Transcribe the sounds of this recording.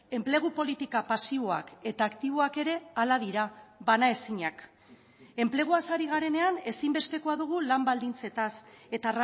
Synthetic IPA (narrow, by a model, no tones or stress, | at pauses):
e̞mple̞ɣ̞upo̞lit̪ikapasiβo̞a̰ke̞t̪aːkt̪iβ̞o̞ake̞ɾe̞alaðiɾaβanae̞siɲak | e̞mple̞ɣ̞uasaɾiɣ̞aɾe̞ne̞ane̞simbe̞st̪e̞ko̞aðuɣ̞ulambald̪int͡se̞t̪ase̞t̪ara